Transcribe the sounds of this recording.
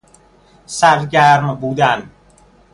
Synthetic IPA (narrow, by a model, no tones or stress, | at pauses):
sæɾɟæɾmbuːd̪æn